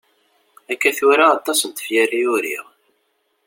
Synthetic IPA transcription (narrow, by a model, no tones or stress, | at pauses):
ækːæθʊɾaːt̪ˤːɑsənt̪ə̥fjərːiʊɾḭʁ